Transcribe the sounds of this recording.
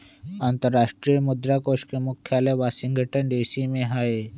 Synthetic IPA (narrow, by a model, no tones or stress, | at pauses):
ãnt̪əɾːaːʃʈɾimʊd̪ɾakoːʃkemʊkʰjaːleʋaːsɪ̃ŋɡʱəʈənɖeːsimẽɦaːe